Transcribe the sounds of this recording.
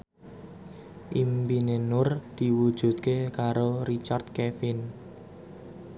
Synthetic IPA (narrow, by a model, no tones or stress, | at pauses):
ʔimbinenʊrd̪̥i̤wud̥ʒ̥ṳt̪̚kekaɾoɾit͡ʃard̪̥̚kefɪn